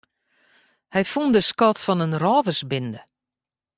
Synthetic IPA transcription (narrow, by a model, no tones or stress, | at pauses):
hɛjfundəskɔtfɔnənrɔːvəsbɪndə